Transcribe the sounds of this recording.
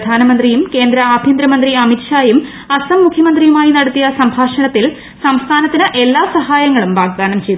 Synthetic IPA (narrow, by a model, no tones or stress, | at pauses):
d̪ʱaːnɐmɐnd̪rijumke̞ːnd̪ɾɐaːbʱjɐnd̪ɾɐmɐnd̪riɐmitʂaːjum | ɐsɐmːukʰjɐmɐnd̪rijumaːjinɐɽɐt̪ːijɐsɐmbʱaːʂɐɳɐt̪ːil | sɐmst̪ʰaːnɐt̪ːinɨʔe̞lːaːsɐɦaːjɐŋːɐɭumbaːɡ̚ɡaːɳɐmt͡ɕe̞jt̪